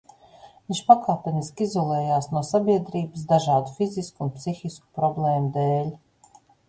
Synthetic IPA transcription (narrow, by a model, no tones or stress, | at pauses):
vinʃpakaːpʲɛniskizɔlˠɛːjaːsnuɔsabʲiɛd̪ɾiːbɨs̬d̪aʒaːd̪ufiziskuːnpsixʲisku̥pɾɔblɛːmud̪ɛːlʲ